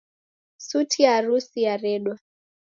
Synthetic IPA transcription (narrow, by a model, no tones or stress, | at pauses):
sutʰiaɾusiaɾɛɗwa